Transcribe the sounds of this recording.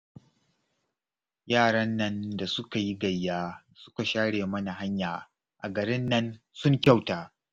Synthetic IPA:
jaː˦˨ɽɐ˦nːɐ˦nda˨sʊ˦ka˨ji˦ɡɐ˨jːaː˦ | sʊ̥˦ka˨ʃaː˦ɽeː˨mɐ˦na˨ɦa˦ɲjaː˨ | ʔa̰˨ɡɐ˨ɾɪ˦nːɐ˦n | sʊ˦ŋkʲa˦˨wtaː˨

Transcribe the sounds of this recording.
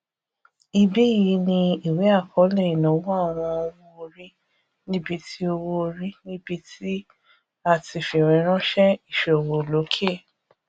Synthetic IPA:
i˧bi˦˨ji˨˦nĩ˧i˨we˨˦a˦˨kʰɔ˨˦lɛ̃˦˨ĩ˨nɔ̃˨˦wɔ˦a˦˨w̃ɔ̃˧o˧wo˦o˧ɾi˦ | nĩ˦bi˧tʰi˦o˧wo˦˧ɾi˦nĩ˦bi˧tʰi˦ | a˧ti˧fĩ˨ɾ̃ĩ˨˧˦ɾ̃ɔ̃˦ʃɛ˦i˦˨ʃo˨wo˨lo˨˦kʰe˦˨

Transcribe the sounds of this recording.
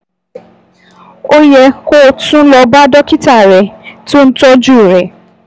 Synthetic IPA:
o˦jɛ˧ko˦˨tũ˦lɔ˧ba˦dɔ˦ki˦ta˦˨ɾɛ˨to˦n̩˦tɔ˦d͡ʒu˦˨ɾɛ˨

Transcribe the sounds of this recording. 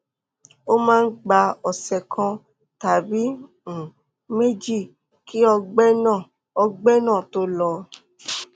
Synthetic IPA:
o˦mãː˦n̩˦ɡ͡ba˧ɔ˨sɛ˨kʰã˧ | ta˨bĩ˨˦˨ | me˦d͡ʒi˦˨ | ki˦ɔ˧ɡ͡bɛ˦nã˦˨ | ɔ˧ɡ͡bɛ˦nãː˦˨to˦lɔ˧

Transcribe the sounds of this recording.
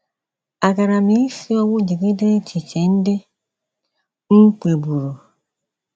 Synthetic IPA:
a˨ɡa˨ɾa˨mi˨˦fi˦ɔ˦wo˦d͡ʒe˨ɡe˦de˦e˦t͡ʃi˨t͡ʃe˨n̩˦de˦ | ŋ̩˦k͡pe˨bu˨ɾo˨

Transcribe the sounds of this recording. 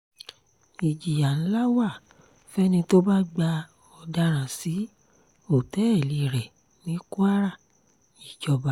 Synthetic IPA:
i˨d͡ʒi˨ja˨ñ̩˦la˦wa˦˨ | fɛ˦nĩ˧to˦ba˦ɡ͡ba˧ | ɔ˧da˧ɾ̃ã˨si˨˦ | o˦˨tɛ˨˦ɛ˦˨li˨ɾɛ˨ | nĩ˨˦ku˦a˦ɾa˦˨ | i˨d͡ʒɔ˧ba˧˦

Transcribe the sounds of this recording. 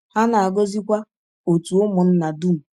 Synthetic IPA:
ha˦na˨a˨ɡo˦zi˦kʷa˦ | o˨tu˨o˦mʊ˨n̩˦na˨du˦m̩˨

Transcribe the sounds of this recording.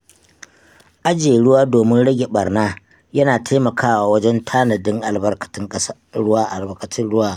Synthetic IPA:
ʔa˦d͡ʒeː˨ɽʊ˦waː˦doː˨mɪ˦nɽɐ˦ɡʲe˨ɓɐ˨rnaː˦ | jɐ˦naː˨tʰa˦mɐ˨kʰaː˦waː˨wɐ˦d͡ʒɛ˦ntʰaː˦nɐ˨dɪ˦ŋʔa˨lbɐ˦rkɐ̥˨tɪ˦ŋkʼɐ˦s | ɽʊ˦a˦ʔa˨lbɐ˨kɐ˨tɪ˦nɽʊ˦waː˦

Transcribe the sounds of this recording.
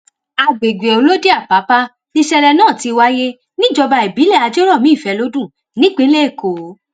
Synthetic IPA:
a˧ɡ͡be˨ɡʷe˨o˨˦lo˦de˦a˦˨pa˨˦pa˦ | nĩ˦ʃɛ˧lɛ˧nãː˦˨ti˧wa˦je˦ | nĩ˦˨d͡ʒɔ˧ba˧i˨bi˨˦lɛ˦˨a˧d͡ʒo˦ɾɔ˦˨mĩ˨˦˨fɛ˧lo˦dũ˦˨ | nĩ˦k͡pe˨˦le˦e˦˨ko˨˦

